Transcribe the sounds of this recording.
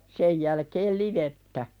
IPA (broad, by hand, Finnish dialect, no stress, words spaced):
sej jælkeːl liʋetːæ